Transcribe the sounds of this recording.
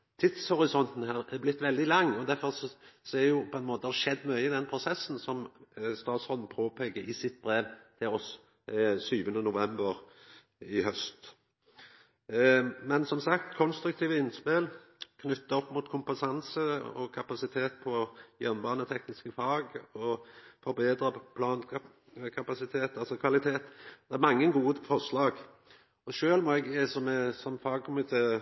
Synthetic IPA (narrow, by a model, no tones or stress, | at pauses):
t̪ʰɪt̪shɔɾɪsɔnt̪n̩ɦæːɾɛblɪt̪ːʋɛld̪ɪlɑŋːɔd̪æɾfɔʁssɛjʊpʰɔɛnmoːt̪əhæʃɛd̪ːmœʏəɪd̪ɛnpʰɾʊsɛsːn̩sɔmst̪ɑːt̪sʁɔːd̪n̩pʰoːpʰɛɡəɾɪsɪt̪̚bɾeːʋt̪ʰɪlɔs | syːʋənənʊʋɛmbəɾ | ɪhœst̪ | mɛnsɔmsɑkt̪kʰɔnst̪ɾʉkt̪iːʋəɪnspelkʰnʏt̪ːəɔpːmuːt̪kʰʊmpɑsɑnsəɔ̰kʰɑpɑsɪt̪ʰeːt̪̚pʰɔjɛnnbɑːʁnət̪ʰɛknɪskəfɑːɡɔfɔɾbeːd̪ɾəpʰlɑːn | kʰɑpɑsɪt̪ʰeːt̪ɑlsɔkʰʋɑlɪt̪ʰeːt̪d̪̥ɛɛɾmɑŋːəɡuːd̪əfɔʁʂlɑːɡ | ɔʃøːlmɔɛɡɛsɔmɛsɔmfɑːɡ̚kʰʊmɪt̪ʰeː